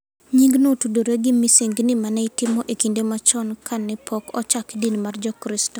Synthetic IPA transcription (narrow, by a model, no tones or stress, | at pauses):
ɲiŋɡnotudoɾeɡɪmisiŋɡnɪmanɛɪtɪmɔʔekindemat͡ʃɔnkʰanːɛpʰɔkɔt͡ʃakdinmard͡ʒɔkɾɪstɔ